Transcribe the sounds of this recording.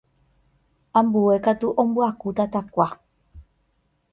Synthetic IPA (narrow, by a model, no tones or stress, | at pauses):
ãmbue̞kat̪uʔõmbuakut̪at̪akʷa